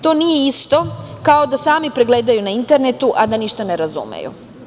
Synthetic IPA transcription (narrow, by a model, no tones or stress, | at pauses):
t̪o̞ːnijeist̪o̞kao̞d̪asaːmipɾeɡle̞ːd̪ajunaint̪e̞ɾnet̪uʔad̪aniʃt̪aneɾazṵmḛjṵ